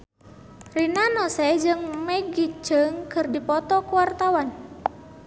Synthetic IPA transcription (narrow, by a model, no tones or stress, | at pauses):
rinanɔsɛd͡ʒɨŋmɛɡit͡ʃəŋkɨrdipɔt̪ɔkuwart̪awan